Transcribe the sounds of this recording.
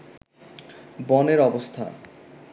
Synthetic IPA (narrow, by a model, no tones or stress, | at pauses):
bɔneɾɔbost̪ʰa̰